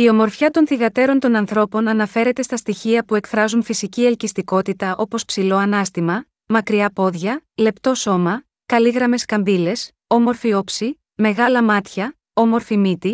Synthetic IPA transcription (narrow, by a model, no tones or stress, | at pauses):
io̞mo̞ɾfçɐt̪o̞nθiɣɐt̪e̞ɾo̞nt̪o̞nɐnθɾo̞po̞nɐnɐfe̞ɾe̞t̪e̞st̪ɐst̪içiɐpue̞kfɾɐzunfisicielcist̪iko̞t̪it̪ɐʔo̞po̞spsilo̞ɐnɐst̪imɐ | mɐkɾiɐpo̞ðʝɐle̞pt̪o̞so̞mɐ | kɐliɣɾɐme̞skɐmbile̞s | o̞mo̞ɾfio̞psi | me̞ɣɐlɐmɐt̪çɐ | o̞mo̞ɾfimit̪i